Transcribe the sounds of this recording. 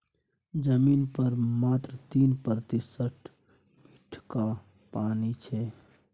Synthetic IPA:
d͡ʒəmiːnpəɾmaːt̪ɾət̪iːnpəɾt̪ɪsəʈʰ | mmɪʈʰka | paːnit͡ʃʰɛː

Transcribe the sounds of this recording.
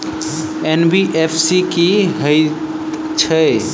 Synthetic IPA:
enbiʔepʰsikiɦəɪt̪ | t͡ʃʰə

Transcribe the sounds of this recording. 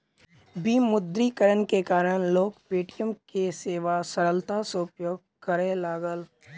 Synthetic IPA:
biːmʊd̪ɾikəɾənkekaːɾəɽ̃loːkpeːʈijəmkeseːʋasəɾəlt̪aseʊpjoːɡ̚kəɾẽlaːɡəl

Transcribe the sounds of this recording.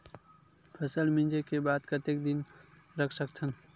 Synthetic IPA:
pʰəsəlmind͡ʒekebad̪kət̪ekd̪inɾəkʰsəkt͡ʃʰən

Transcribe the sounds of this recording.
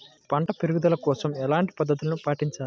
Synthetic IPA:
pɐɳʈɐpeɾuɡud̪ɐlɐkɔːsɐmɛlaːɳʈi̥pɐd̪ːɐt̪̬ulɐnupaːʈiɲt͡ʃaːlu

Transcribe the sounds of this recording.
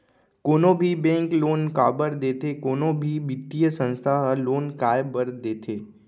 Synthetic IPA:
koːnõbʱibɛ̃ːŋkloːnkaːbəɾd̪eːt̪ekoːnõbʱibit̪ːijəsə̃nst̪ʰaɦəloːnkaːjbəɾd̪eːt̪ʰeː

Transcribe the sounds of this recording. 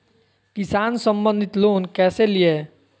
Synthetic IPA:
kisansəmbənd̪ʱit̪loːnkɛːselije

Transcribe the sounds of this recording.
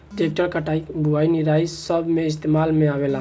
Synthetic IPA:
ʈek̚ʈəɾkəʈaibuainiɾaisəbʱmeɪs̬t̪emalmeabela

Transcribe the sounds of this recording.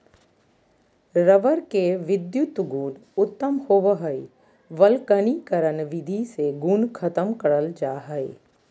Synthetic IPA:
ɾəʋəɾkeʋɪd̪jʊt̪ɡũːnʊt̪ːəmhoːʋəɦəi | ʋəlkənikəɾənʋɪd̪ʱiseɡunkʰɐt̪əmkɐɾəld͡ʒaːɦəi

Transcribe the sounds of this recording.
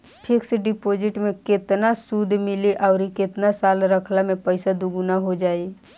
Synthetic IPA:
pʰɪksɖɪpoːd͡ʒɪʈmẽkɪt̪nasud̪ʱmɪliʔɔːɾikɪt̪nasaːlɾəkʰlamẽpəɪsad̪ʊɡʊnaɦod͡ʒaːi

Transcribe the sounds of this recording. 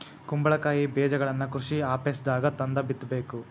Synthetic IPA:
kumbɐɭɐkaːjibeːd͡ʒɐɡɐɭɐnːɐkɾuʃiaːpesd̪aːɡɐt̪ɐnd̪ɐbit̪ːbeːku

